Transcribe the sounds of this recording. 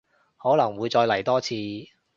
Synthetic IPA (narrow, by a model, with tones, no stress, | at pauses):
hɔː˨˥lɐ˨˩ŋwuː˨˧jt͡ʃɔː˧jlɐ˨˩jt̪ɔː˥t͡sʰiː˧